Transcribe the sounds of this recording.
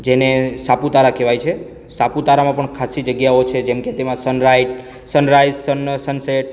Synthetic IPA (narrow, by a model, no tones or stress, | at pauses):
d͡ʒenesaput̪aɾakeʋajt͡ʃʰe | saput̪aɾamãpəɳkʰasid͡ʒəɡjaot͡ʃʰed͡ʒɛmket̪emãsənɾajʈ | sənɾajzsənsənseʈ̚